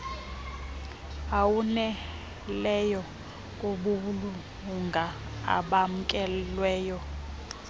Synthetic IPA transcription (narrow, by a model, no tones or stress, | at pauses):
awunɛ | lɛjɔ | kʼoɓuulu | uŋɡʱaa̰ɓam̩kʼɛlwɛːjɔ